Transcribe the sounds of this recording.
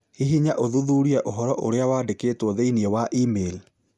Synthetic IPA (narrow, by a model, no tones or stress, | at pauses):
hiɦiɲaʔoðuðuːɾiɛʔoɦɔɾɔʔoɾeawadekeːtwɔðeiniɛwaʔiːmel